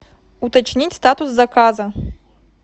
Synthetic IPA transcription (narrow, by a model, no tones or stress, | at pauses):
ut̪at͡ʂnʲit͡sʲst̪at̪usːakazɐ